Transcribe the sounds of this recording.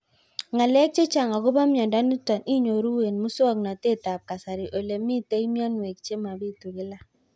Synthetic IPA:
ŋa˨lɛ˦k̚t͡ʃe˦t͡ʃa˨ŋa˨ɡʊ˦ba˦mja˨nda˦ni˦ta˨ni˦ɲo˨ɾu˦we˨nmu˦sɔ˦kna˨te˦˨ta˨p̚ka˨sa˨ɾi˨ʔo˨le˨mi˦te˦jmja˦nwe˨k̚t͡ʃe˦ma˨bi˦˨tu˨ɡɪ˦la˦

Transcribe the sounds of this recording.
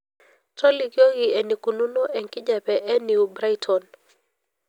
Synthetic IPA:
tɔ˦li˨kjo˦ɣi˨ɛ˨ni˨ku˨nu˦nɔ˦ʔɛ˨ŋkɪ˦d͡ʒa˨pɛʔɛ˦ni˨ubɾa˦jtʰɔn

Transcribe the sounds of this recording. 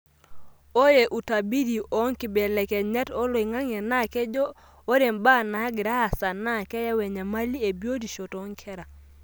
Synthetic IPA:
o˦je˨ʔu˨ta˨bi˦di˨ʔo˦ŋki˨bɛ˨lɛ˨ke˨ɲa˦to˦lo˨i˨ŋa˦ŋe˨na˦˨kɛ˦d͡ʒo˦ | o˦ɾe˨mba˦˨na˨˦ɡi˨ɾa˦a˨sa˨na˦˨kɛ˦ja˦we˨ɲa˨ma˦li˦e˨bi˦o˦di˨ʃo˨tɔ˦ŋkʰɛ˦ɾa˨

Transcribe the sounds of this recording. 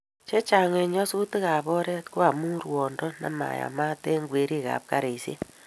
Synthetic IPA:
t͡ʃe˦t͡ʃa˨ŋe˨ɲɔ˦su˦tɪ˦ka˨bɔ˦ɾɛ˦tko˦a˨mu˦ɾwɔ˨ndɔ˦na̰˨ma̰˨ja̰˨ma˦te˦ŋɡwe˨ɾi˦ka̰˨p̚ka˦ɾe˨sjḛ˦

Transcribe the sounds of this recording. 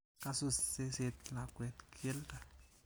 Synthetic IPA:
ka˦su˨sse˦set̪la˨kwɛ˨t̪kʰi˦lta˨

